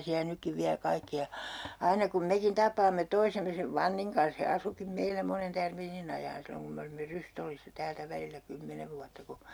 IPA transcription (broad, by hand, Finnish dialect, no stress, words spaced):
siæ nykːiʋ ʋiæ kɑikːi jɑ ɑinɑ kum mekin tɑpˑɑːmːe toisemːe seʋ ʋɑnːiŋ kɑns he ɑsukim meilæ monen tærmiːnin ɑjɑːn silːoŋ kum me olimːe rystolːisːɑ tæːltæ ʋælilːæ kymːeneʋ ʋuɑtːɑ ku